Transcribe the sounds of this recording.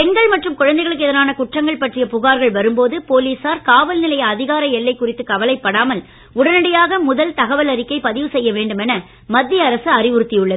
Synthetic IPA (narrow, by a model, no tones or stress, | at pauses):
pɛŋɡɐɭmɐʈrɯmkʊɻɐnd̪ɐɪɣɐɭɯkːɯɛðɐnaːnɐkʊʈrɐŋɡɐɭpɐʈrɪjɐpʊɣaːɾɣɐɭʋɐɾɯmpoːðɯpoːliːsaːɾkaːʋɐlnɪlɐjɐɐðɪɣaːɾɐɛlːɐɪkːʊrɪt̪ːɯkːɐʋɐlɐɪpːɐɽaːmɐl | ʊɽɐnɐɽɐjaːɣɐmʊðɐlt̪ɐɣɐʋɐlɐɾɪkːɐɪpɐðɪʋɯsɛjːɐʋeːɳɖɯmɛnɐ | mɐd̪ːɪjɐːɾɐsɯɐrɪʋʊɾɯt̪ːɪjɯɭːɐðɯ